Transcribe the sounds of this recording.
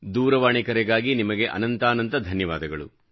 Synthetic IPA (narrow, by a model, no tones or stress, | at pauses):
d̪uːɾɐʋaːɳikɐɾɛɡaːɡinimɐɡe̞ʔɐ̰nɐnt̪aːnɐnt̪ɐd̪ʱɐnjɐʋaːd̪ɐɡɐɭu